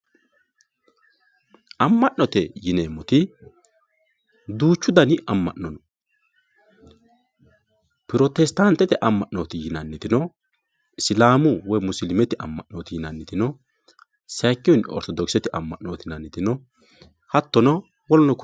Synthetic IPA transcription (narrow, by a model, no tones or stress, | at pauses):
ɐmːɐʔːɔt̪ɛjɪneːmːɔt̪ɪ | d̪uːt͡ʃːʊd̪ɐnɪʔɐmːɐ̰ʔɔnɔ | pɪɾot̪ɛst̪ant̪ːɛt̪ɛʔɐmːɐʔnoːt̪ɪjɪnɐnːɪt̪ɪnɔ | ʔɪsɪlaːmʊwɔjmʊsɪlɪmɛt̪ɪʔɐmːɐʔnoːt̪ɪjɪnɐnːɪt̪ɪnɔ | sɛːkːɪjɔnɔ̰ɾt̪ɔd̪ɔksɛt̪ɪʔɐmːɐʔnoːt̪ɪnɐnːɪt̪ɪnɔ | hɐt̪ːɔnɔ | wɔlɔnɔk